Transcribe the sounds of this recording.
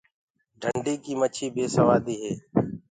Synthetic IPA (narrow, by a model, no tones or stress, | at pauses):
ɖʱəɳɖiːkiːmət͡ʃʰiːbʱeːsəʋaːd̪iːɦeː